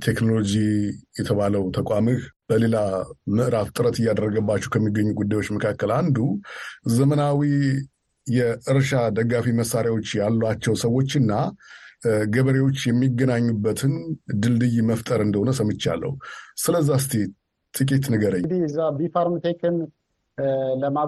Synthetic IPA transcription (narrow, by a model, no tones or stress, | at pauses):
t̪ʰe̞kno̞lod͡ʒijɛt̪ʰəβaləwt̪ʰəkʼamɨhb̥əle̞lamɨʔɾaft̪ʼɨɾət̪ɨjːad̪ərːəɡəbːat͡ʃːɛwkʰəmːiɡːəɲːuɡud̪ːajwo̞t͡ʃːməkʰakːəland̪uzəmənawi | jɛʔɨɾʃad̪əɡːafiməsːaɾjawo̞t͡ʃːjalːat͡ʃːɛwsəwːo̞t͡ʃːɨnːa | ɡəβəɾe̞wo̞t͡ʃːjɛmːiɡːənaɲːubːət̪ʰɨnd̪ɨld̪ɨjməft̪ʼəɾɨnd̪əhonəsəmːɨt͡ʃːa̰lːʔə̰husɨləzːast̪ʰi | t̪ʼɨkʼit̪nəɡəɾəɲːd̪iɨzːabifaɾmt̪ʰekɨn | ləma